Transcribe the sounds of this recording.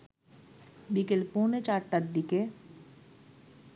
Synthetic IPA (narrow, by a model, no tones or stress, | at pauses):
bikelpoːnet͡ʃaɾʈad̪ːike